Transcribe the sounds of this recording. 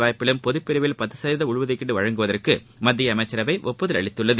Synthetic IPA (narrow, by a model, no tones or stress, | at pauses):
ʋaːjɐpːɪlɯmpɔðɯpːɪɾɯʋɪlpɐt̪ːɯsɐjɾðɐʊɻʋɐðɪkːɪʈːɯʋɐɻɐŋɡɯʋɐðɐrkɯ | mɐd̪ːɪjɐːmɐɪt͡ʃːɐɾɐʋɐɪʔɔpːoðɯlɐ̰ɭɪt̪ːɯɭːɐðɯ